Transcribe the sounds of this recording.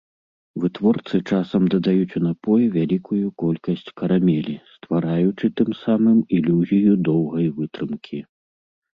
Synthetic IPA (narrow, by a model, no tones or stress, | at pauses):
vɨt̪vɔrt̪sɨt͡ʂasɐmd̪ɐd̪ajut͡sʲunapɔjuvʲalʲikʰujukɔlʲkɐsʲt͡sʲkɐɾamʲelʲist̪vaɾajut͡ʂɨt̪ɨmsamɨmilʲuzʲijud̪ɔwɣɐjvɨt̪ɾɨmkʲʰi